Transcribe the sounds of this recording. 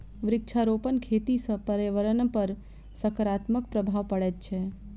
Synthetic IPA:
ʋɾɪk̚t͡ʃʰaɾopənkʰet̪isə̃pəɾjəʋəɾənpəɾ | səkəɾat̪mək̚pɾəbʱaʋpəɽɛt̪̚t͡ʃʰɛ

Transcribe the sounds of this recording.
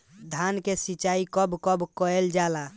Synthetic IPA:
d̪ʱankesit͡ʃaikəbkəbkɔeld͡ʒala

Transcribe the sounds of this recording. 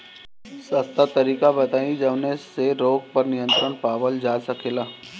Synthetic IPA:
sɐst̪at̪ɐɾiːkabɐt̪aːĩd͡ʒɐʋneseɾoːɡ̚pɐɾnɪjə̃nt̪ɾənpaːʋəld͡ʒaːsɐkʰeːlaː

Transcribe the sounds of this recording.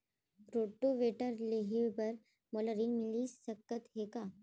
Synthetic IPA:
ɾoːʈːoʋeːʈəɾleɦebɐɾ | moləɾiːnmɪlisɐkːət̪ɦeːkaː

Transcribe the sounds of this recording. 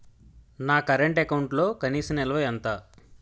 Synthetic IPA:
naːkɐɾeɳʈekɐwuɳʈlo̞ːkɐniːsɐnɛlɐʋɐjɐnt̪aː

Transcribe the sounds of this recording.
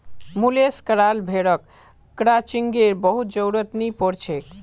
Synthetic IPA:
muleskəɾalbʱeɽəkː | ɾat͡ʃiŋɡeɾbəɦut̪̚d͡ʒəwɾət̪nipɔɾt͡ʃʰek

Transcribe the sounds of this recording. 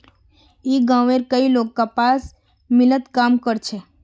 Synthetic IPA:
iɡãʋeɾkəilokːəpas | mɪlət̪kamkəɾt͡ʃʰe

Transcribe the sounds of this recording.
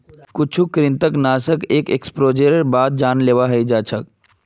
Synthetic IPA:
kʊt͡ʃʰukɾint̪əknaːsəkeːkekspɾoːd͡ʒeɾəɾbaːd̪̚d͡ʒaːnleːʋaɦəjd͡ʒaːt͡ʃʰək̚

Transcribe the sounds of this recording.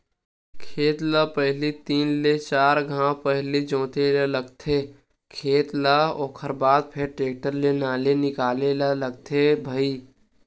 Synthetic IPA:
kʰeːt̪lapəɦlit̪iːnlet͡ʃaːɾɡʱãpəɦlid͡ʒõːt̪elaləɡt̪ʰe | kʰeːt̪laoːkʰəɾbaːd̪̚pʰeɾʈɾeːk̚ʈəɾlenaːlenɪkaːlelaləɡ̚t̪ʰebʱəiː

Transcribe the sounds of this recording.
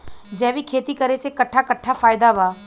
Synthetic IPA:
d͡ʒɛːʋikʰeːt̪ikəɾesekɐʈʰːakɐʈʰːafʰaːɪd̪abaː

